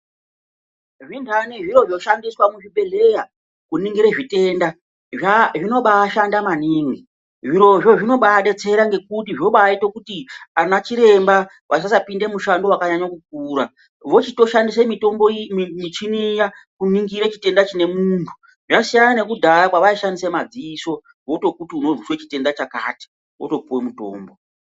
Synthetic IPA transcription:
ʐintʰaneʐiɾo̞ʐjoʃandiswamuʐiɓe̞le̞ja | kuniŋɡiɾe̞ʐite̞ːnda | ʐaʐino̞ɓaːʃandamaniːŋi | ʐiɾo̞ʐo̞ʐino̞ɓaːɗe̞t͡se̞ɾaŋɡe̞kut̬iʐio̞ɓaːitokutianat͡ʃiɾe̞mba | ʋʔas̬asapinde̞muʃando̞wakaɲaɲakuk̚uːɾa | ʋo̞t͡ʃito̞ʃandisemito̞mbommit͡ʃinija | kuniŋɡiɾet͡ʃite̞ndat͡ʃine̞muntʰu̥ | ʐasijanane̞kudʱaɾakwaʋaiʃandisemad͡ziːso̞ | ʋo̞to̞kutiunoruswe̞t͡ʃite̞ndat͡ʃaka̰ːti̥ | o̰to̞puwe̞muto̰ːmbo̞

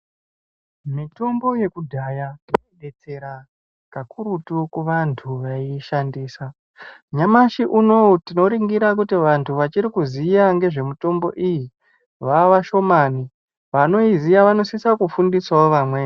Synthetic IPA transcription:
mito̞mbo̞je̞kudʱajaoeɗe̞t͡se̞ɾa | kakʰuɾutukuʋantʰuʋaiʃandiːsa | ɲamaʃiʔuno̞tino̞ɾiŋɡiɾak̬utiʋantʰuʋat͡ʃiɾikuzijaŋɡe̞ʐe̞muto̞mbo̞̰ʔiji | ʋaʋaʃo̞mani | ʋano̞izijaʋano̞sisakufundiswaoʋamwe

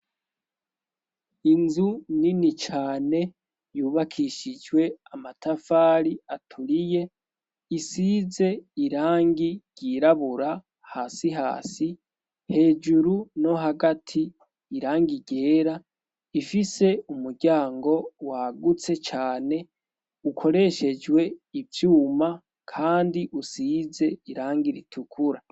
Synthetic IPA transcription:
inzuninit͡ʃaːne̞ | juːβakʰiʃid͡ʒwe̞amatʰafaːɾiatʰuɾije̞ | isize̞iɾaːŋɡiɟ̥iɾaβuɾa | haːsiɦa̰ːsi | he̞ːd͡ʒuɾuno̞ɦaɡatʰiː | ɾaːŋɡiɟe̞ːɾa | ifise̞umuɾɟaːŋɡo̞waɡut͡se̞t͡ʃaːne̞ | ukʰo̞ɾe̞ʃe̞d͡ʒwe̞ivjuːma | kʰaːndiʔusize̞iɾaːŋɡiɾitʰukʰuɾa

